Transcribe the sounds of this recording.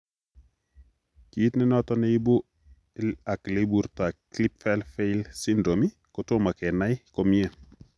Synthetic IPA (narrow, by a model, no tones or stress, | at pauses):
kiːtnɛnɔtɔnejibu | aklebuɾtaklipfɛlfejlsindɾomi | kɔtomakɛnajkɔmiɛ